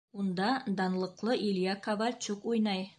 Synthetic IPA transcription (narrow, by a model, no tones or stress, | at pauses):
und̪ɑd̪ɑnlˠɤ̆qlˠɤʔilʲjakavɑɾt͡ɕukujnɑj